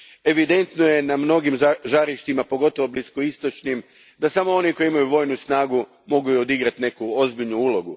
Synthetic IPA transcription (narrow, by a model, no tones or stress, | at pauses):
e̞ʋid̪e̞nt̪noje̞namno̞ɡimʒaɾiʃt̪imapo̞ɡo̞t̪oʋo̞bliskoist̪o̞t͡ʃnim | d̪asamo̞o̞niko̞iimajuʋo̞jnusnaːɡu | mo̞ɡujuod̪iɡɾat̪ne̞kuo̞zbiʎnuuːlˠo̞ɡu